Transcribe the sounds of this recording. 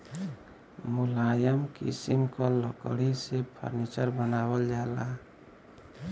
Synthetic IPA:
mulajəmkḭsimkɔləkəɽisepʰə̰ɾnit͡ʃəɾbənabəld͡ʒala

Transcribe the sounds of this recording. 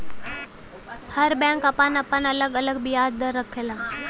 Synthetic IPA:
pʰəɾbɛ̃ːŋkɐpanɐpənɐləɡələɡbijaːd͡ʒd̪əɾəkʰːelãː

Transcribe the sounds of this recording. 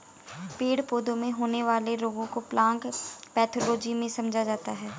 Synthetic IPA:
peːɽpoːd̪õmẽɦoːneʋaːleɾoːɡõkoplãːŋkpɛːt̪ʰoːloːd͡ʒimẽsɐmd͡ʒʱad͡ʒaːt̪aɦɛː

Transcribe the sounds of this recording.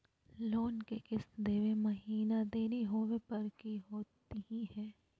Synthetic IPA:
loːnkekɪsd̪eːʋemɐɦiːnad̪eːɾiɦoːʋepɐɾkiɦoːt̪iɦihɛ̃ː

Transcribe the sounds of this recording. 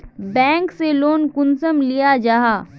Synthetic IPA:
bɛ̃ːŋkseloːnkʊnsəmlijad͡ʒaːɦaː

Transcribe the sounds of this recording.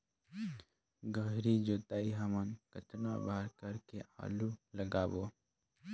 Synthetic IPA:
ɡəɦɾid͡ʒot̪aiɦəmənkətna̰baɾkəɾkeʔa̰luləɡabo

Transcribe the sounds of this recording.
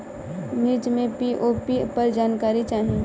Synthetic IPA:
niːd͡ʒmẽpiʔoːpipɐɾd͡ʒaːnkaːɾit͡ʃaːɦĩ

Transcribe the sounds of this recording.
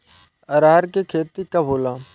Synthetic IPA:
əɾaːɾkekʰeːt̪iːkaboːlãː

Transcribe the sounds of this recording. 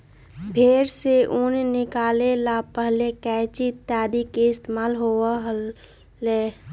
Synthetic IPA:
bʰʱeːɾseʔʊnnɪkaːlelapəɦlekɛːt͡ʃit̪aːd̪ikeɪst̪emaːlɦoɦ | leː

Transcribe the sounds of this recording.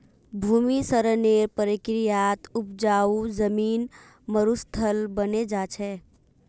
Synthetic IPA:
bʱuːmisəɾəneːɾpəɾɪkɾɪjaːt̪ʊp̚d͡ʒaːuzəmiːn | məɾust̪ʰəlbəned͡ʒaːt͡ʃʰɛ

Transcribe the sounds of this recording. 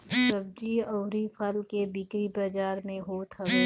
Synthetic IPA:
səb̚d͡ʒiɔːɾipʰəlkebikɾibad͡ʒaːɾmẽɦoːt̪ɦəʋeː

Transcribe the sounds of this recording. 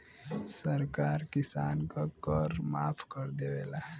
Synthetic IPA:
səɾkaːɾkɪsaːnkakəɾmaːpʰkəɾd̪eʋeːla

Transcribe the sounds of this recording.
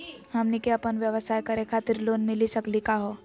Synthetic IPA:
hɐmnikeɐpənʋjəʋəsaːjkɐɾekʰaːt̪ɪɾloːnmɪlisɐklikaɦoː

